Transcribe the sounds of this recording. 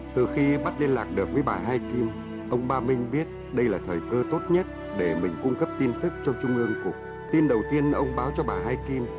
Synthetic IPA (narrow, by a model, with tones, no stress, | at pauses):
t̪ɨ˨˩xi˧ɓa˦˥t̚le˧nlaː˨˩k̚ɗɨ˨˩ək̚vəː˨˦jɓaː˨˩ɦaː˧jki˧m | ʔə˧wŋ͡mɓaː˧mï˧ŋ̟ɓi˦˥ət̚ | ɗə˧jlaː˨˩t̪ʰəː˨˩jkəː˧t̪o˦˥t̚ɲə˦˥t̚ | ɗe˧˩mï˨˩ŋ̟kʊ˧ŋ͡mkə˦˥p̚t̪i˧nt̪ʰɨ˦˥k̚t͡ɕɔ˧wŋ͡mt͡ɕʊ˧ŋ͡mʔɨ˧əŋkʊ˨˩ək̚ | t̪i˧nɗə˨˩wt̪i˧ənʔə˧wŋ͡mɓaː˨˦wt͡ɕɔ˧ɓaː˨˩ɦaː˧jki˧m